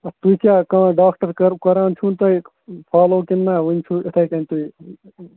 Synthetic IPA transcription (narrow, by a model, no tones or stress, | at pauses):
ɐt̪uikʲaːkɐ̃ɖaːk̚ʈɐɾɾkɐɾaːnt͡ʃʰunt̪ɐi | pʰaːloːkinːaːʋunʲt͡ʃʰuit̪ʰɐjkɐnt̪ui